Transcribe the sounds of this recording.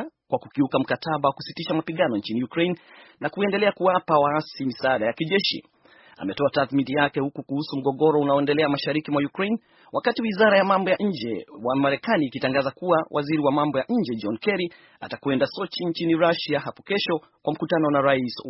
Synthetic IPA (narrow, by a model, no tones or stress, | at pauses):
kwakukiukam̩katʰaɓawakusitiʃamapiɠanɔɲ̩t͡ʃinijukɾejnnakuɛndɛlɛakuapawaasimisaaɗajakiʄɛʃḭ | a̰mɛtɔataθminijakɛhukukuhusum̩ɠɔɠɔɾɔunaɔɛndɛlɛamaʃaɾikimwajukɾejn | wakatiwizaɾajamambɔjaʔɲ̩d͡ʒɛwamaɾɛkaniːkitaŋɡazakuwawʔaziɾiwamambɔjaʔɲ̩d͡ʒɛd͡ʒɔnkɛɾi | a̰takwɛndasɔt͡ʃiɲt͡ʃiniɾaʃaɦapɔkɛʃɔ | kwam̩kutanɔnaɾais